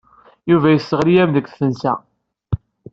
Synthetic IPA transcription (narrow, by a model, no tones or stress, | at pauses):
juvæjəsːəʁlijæmðəkʷːθənsæ̰